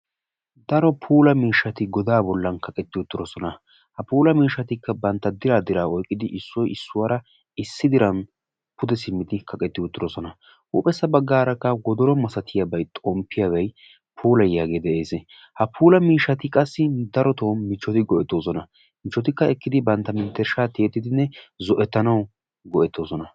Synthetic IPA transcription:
d̪ɐɾɔpʰuːlɐmiːʃːɐt̪ɪɡɔd̪aːbɔlːɐnkʰɐkʼɛt̪ːɪʊt̪ːɪɾɔsɔnɐ | hɐpuːlɐmiːʃːɐt̪ɪkːɐbɐnt̪ːɐd̪ɪɾaːd̪ɪɾaːɔjkʼːɪd̪ɪʔɪsːɔjɪsːʊwɐɾɐ | ɪsːɪd̪ɪɾɐn | pʰʊd̪ɛsɪmːɪd̪ɪkʰɐkʼɛt̪ːɪʊt̪ːɪɾɔsɔnɐ | ʔṵːpʼɛsːɐbɐɡːaːɾɐkːɐwɔd̪ɔɾɔmɐsɐt̪ʰɪjabɐjt̪ʼɔmpːɪjaβɐj | pʰuːlɐjːaːɡe̞ːd̪ɛʔe̞ːse | hɐpʰuːlɐmiːʃːɐt̪ɪkʼɐsːɪd̪ɐɾɔt̪oːnmɪt͡ʃːɔt̪ɪɡɔʔɛt̪ːo̞ːsɔnɐ | mɪt͡ʃːɔt̪ɪkːɐɛkːɪd̪ɪbɐnt̪ːɐmɪnt̪ːɛɾʃaːt̪eːt̪ːɪd̪ɪnːɛzɔʔɛt̪ːɐnɐw | ɡɔʔɛt̪ːo̞ːsɔnɐ

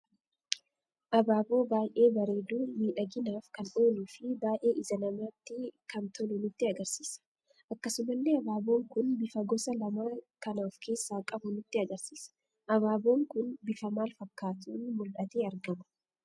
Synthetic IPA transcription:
ʔɐbaːbo̞ːbaːjʔe̞ːbɐɾe̞ːd̪uːmiːᶑɐɡɪnaːfkɐnʔo̞ːluːfɪbaːjʔe̞ːʔɪzɐnɐmaːt̪ːɪkɐnt̪ʰɔlʊnʊt̪ːɪɐɡɐɾsi̥ːsɐ̥ | ʔɐkːɐsʊmɐlːeːɐbaːbo̞ːŋkʊnbɪfɐɡɔsɐlɐmaːkɐnaːfkʰe̞ːsːaːkʼɐbʊnʊt̪ːɪɐɡɐɾsiːsɐ̥ | ʔɐbaːbo̞ːŋkʊnbɪfɐmaːlfɐkːaːt̪uːnmʊlʔɐt̪eːɐɾɡɐmɐ̥

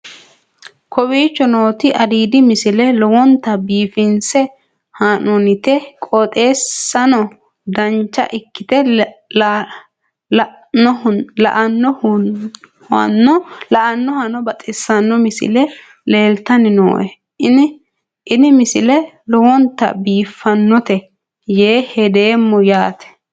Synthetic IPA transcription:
kʰɔbiːt͡ʃːɔno̞ːt̪ɪʔɐd̪iːd̪ɪmɪsɪlɛlɔwɔnt̪ːɐbiːfɪnsɛ | hanɔnɪt̪ɛkʼɔt̪ʼe̞ːsːɐnɔ | d̪ɐnt͡ʃːɐ̰ʔɪkːɪt̪ɛ | ɔlɐ̰ʔɐnːɔh | hɐ̰nːɔlɐʔɐnːɔhɐnɔbɐt̪ʼɪsːɐnːɔmɪsɪ̰lɛ | le̞ːlt̪ɐnɪno̰ːʔɛ | ɪnɪ | ʔɪnɪmɪsɪlɛ | lɔwɔnt̪ːɐ̰biːfːɐnːɔt̪ɛ | jeːhɛd̪eːmːɔjaːt̪ɛ̥

